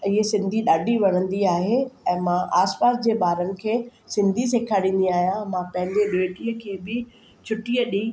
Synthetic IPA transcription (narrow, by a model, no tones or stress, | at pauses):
ɪɦesɪ̃nd̪ʱiɗaːɖʱiʋɐɽ̤ə̃nd̪iaːɦeɛ̃ːmãʔaːspaːsd͡ʑeːɓaːɾənɪ̆kʰeːsɪ̃nd̪ʱis̬eːkʰaːɽĩːn̆d̪iaːɦijãmãpɐ̃ɦɪ̃nd̪eɗoːʈiəkʰeːbɪ | t͡ɕʰʊʈiəɗĩː